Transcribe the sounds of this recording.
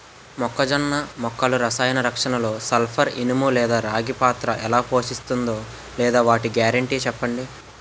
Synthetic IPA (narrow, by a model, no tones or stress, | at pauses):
mɔkːɐd͡ʒɐnːɐmɔkːɐluɾɐsaːjɐnɐɾɐkʂɐnɐlo̞ːsɐlpʰɐɾinumulɛːd̪aːɾaːɡipaːt̪ɾɐʔɛlaːpo̞ːʃist̪und̪o̞ː | lɛːd̪aːʋaːʈiɡjaːɾɐɳʈiːt͡ʃɛpːɐɳɖi